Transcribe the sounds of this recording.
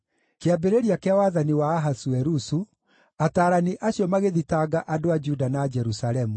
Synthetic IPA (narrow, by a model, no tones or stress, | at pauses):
keabeɾeɾiakeawaðaniwaːɦasuɛɾusu | ataːɾaniʔaɕjɔmaɣeðitaɡaʔadoad͡ʒudanaːd͡ʒɛɾusalɛmu